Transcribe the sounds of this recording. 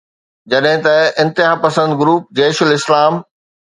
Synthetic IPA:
d͡ʑɐɗɦɪ̃t̪ɐɪ̃nt̪ɪɦaːpɐsə̃nd̪ɡɾuːp̚d͡ʑeːʃʊlɪslaːm

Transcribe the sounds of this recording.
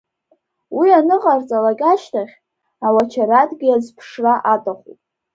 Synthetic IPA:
wianɨqʼart͡sʼalaɡʲʼaʃtʰaχʲ | awat͡ʃʰaɾadɡʲiazpʰʂraʔatʼaχʷṵtʼ

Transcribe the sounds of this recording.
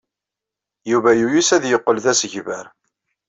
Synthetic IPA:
juvæjujusæðjəqːəlðæsəʝvəɾ

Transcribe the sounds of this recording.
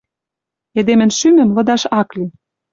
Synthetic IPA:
ĕd̪emɘ̆nʃymɘ̆mlɤ̆d̪ɑʃɑkli

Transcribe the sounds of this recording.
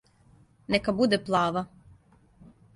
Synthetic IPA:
nekabud̪eplˠaːʋa

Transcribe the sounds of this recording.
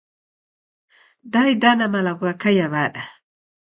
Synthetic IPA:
dajdanamalaɡuakajaβaːɗa

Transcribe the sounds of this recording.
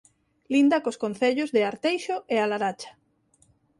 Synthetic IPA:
lind̪akoskon̟θeʎozðɪaɾt̪ejʃoʔealaɾat͡ʃḁ

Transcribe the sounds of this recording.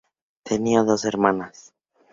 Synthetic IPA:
t̪ʰeniaðo̞seɾmanas

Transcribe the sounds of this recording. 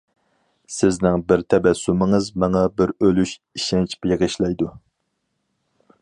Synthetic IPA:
sɪznɪŋbɪɾt̪ʰɛbɛsːumɪŋɨzmɑŋɑbɪɾølyʃiʃɛnt͡ʃʰpjeʁɨʃlɛjd̪u

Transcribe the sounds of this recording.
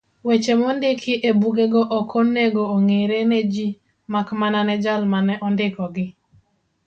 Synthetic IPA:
wet͡ʃemondɪkʰɪʔebuɡeɡɔʔɔkʰɔneɡooŋeɾened͡ʒi | makmananɛd͡ʒalmanɛʔɔndɪkɔɡɪ

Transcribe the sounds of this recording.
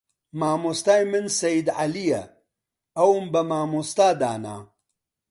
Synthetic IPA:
maːmust̪aːjmɨnsɐjid̪ʕalijɐ̰ | ɐwmbɐmaːmust̪aːd̪a̰ːna̰

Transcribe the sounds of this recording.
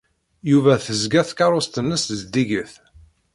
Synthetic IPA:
juvæθəzɡæθkɑɾˤost̪ənːəszd̪iʝəθ

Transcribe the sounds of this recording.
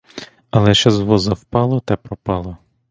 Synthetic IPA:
ɐlˠɛʃɛzʋɔzɐwpɑlˠɔt̪ɛpɾɔpɑlˠɔ

